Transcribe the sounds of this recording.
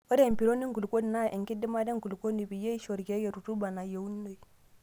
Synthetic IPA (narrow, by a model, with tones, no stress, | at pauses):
o˦de˦˨mpi˨ɾo˦ni˦ŋɡu˨lko˦ni˨na˦˨ʔe˨ŋki˦di˦ma˦de˦ŋɡu˨lko˦ni˨bi˨je˦i˦ʃo˨ɾɡe˦ɡe˨ɾu˨tu˦ba˨na˨je˨u˦nːo˨i˨